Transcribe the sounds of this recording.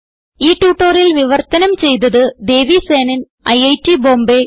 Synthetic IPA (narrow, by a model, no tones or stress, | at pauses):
iːʈːuːʈːoːrilʋiʋɐrt̪ɐnɐmt͡ɕe̞jt̪̬ɐðɨd̪e̞ːʋise̞ːnɐn | ɐjɐjtːibo̞ːmbe